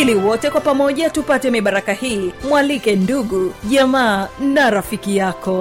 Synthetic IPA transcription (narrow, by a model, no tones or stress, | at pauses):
iliwɔtɛkwapamɔʄatupatɛmiɓaɾakahiːmwalikɛnduɠuʄamaːnaɾafikijakɔ